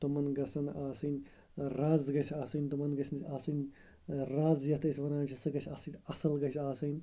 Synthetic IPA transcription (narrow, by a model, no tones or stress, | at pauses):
t̪umɐnɡɐsɐnaːsɨnʲ | ɾaːzɡɐsʲaːsɐnʲt̪umɐnɡɐsʲnsʰʲaːsɨnʲ | ɾaːzjɐt̪ɐsʲʋɐnaːnt͡ʃʰɐsɨɡɐsʲaːsɨnʲɐsɐlɡɐsʲaːsɐnʲ